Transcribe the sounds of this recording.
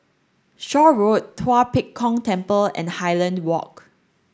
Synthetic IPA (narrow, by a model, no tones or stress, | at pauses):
ʃɔɹottʰwapikʰːɔ̃ŋtɛ̃mpəlɛ̰̃nhaɪlə̃ndwɔ̰k